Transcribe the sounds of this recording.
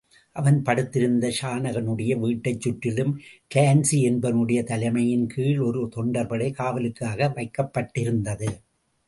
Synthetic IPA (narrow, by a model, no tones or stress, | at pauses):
ʔɐʋɐnpɐɽɯt̪ːɪɾɯnd̪ɐʃaːnɐɣɐnɯɽɐjɐʋiːʈːɐɪt͡ʃːʊʈːɪlɯmʈeːnsiɛnbɐnɯɽɐjɐt̪ɐlɐɪmɐjɪnkʰiːɭɔɾɯt̪ɔɳɖɐɾbɐɽɐɪkaːʋɐlɯkːaːɣɐʋɐɪkːɐpːɐʈːɪɾɯnd̪ɐðɯ